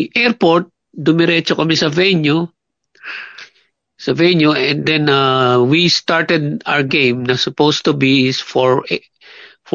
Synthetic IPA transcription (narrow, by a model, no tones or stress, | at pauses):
ʔɛɹpoɹt̪̚ | d̪ʊmɪɾɛt͡ʃokɐmɪsɐvɛɲo | sɐvɛɲjoɛ̃nd̪ɛ̃nawist̪aɹt̪ɛd̪̚a̰wɹɡẽjmnɐsʊpowst̪ʊbisfɔɹ | f